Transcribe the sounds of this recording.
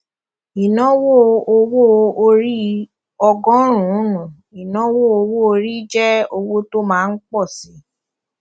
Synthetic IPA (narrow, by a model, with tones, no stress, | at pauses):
i˨nɔ̃˦wo˦˨o˧wo˦o˧ɾi˦ | ɔ˧ɡɔ̃˦ɾ̃ũ˨˦nũ˨ | i˨nɔ̃˨˦wo˦˨o˧wo˦o˧ɾi˦d͡ʒɛ˦o˧wo˦to˦mãː˦˧n̩˦k͡pɔ˦˨si˨˦